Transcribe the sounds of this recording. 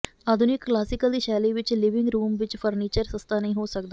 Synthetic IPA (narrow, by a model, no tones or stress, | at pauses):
aːd̪ʱʊnɪkːlaːsɪkəld̪iːʃɛːliːʋɪt͡ʃlɪʋɪ̃ŋɡɾuːmʋɪt͡ʃpʰəɾniːt͡ʃəɾsəst̪aːnəɦĩːɦoːsəkd̪aː